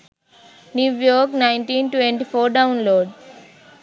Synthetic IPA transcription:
njuʋjoːɾknajnʈiːnʈʋeɳʈipʰoːɾɖɐwnloːɖ

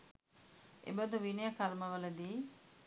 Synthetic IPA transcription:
ʔḛbəd̪uʋinejəkɐlməʋələd̪iː

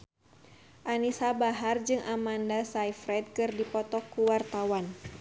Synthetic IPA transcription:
ʔanisabaɦard͡ʒɨŋʔamandasaifɾɛt̪̚kɨrdipɔt̪ɔkuwart̪awan

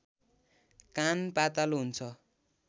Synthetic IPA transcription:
kanpat̪aluɦunt͡sʰʌ

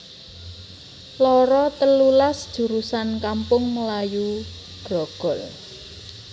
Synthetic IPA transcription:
lɔɾɔt̪əlulasd̥ʒ̥ṳɾusankampʊŋməlaju | ɡ̥ɔɡ̥ɔ̤l

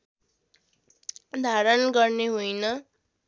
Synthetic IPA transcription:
d̪ʱaɾʌnɡʌrneɦujnʌ

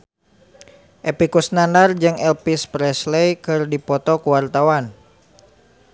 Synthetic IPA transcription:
ʔepikusnanard͡ʒɨŋɛlpispɾɛslejkɨrdipɔt̪ɔkuwart̪awan

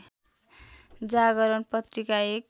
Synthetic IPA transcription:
d͡zaɡʌɾʌnpʌt̪rikaek̚

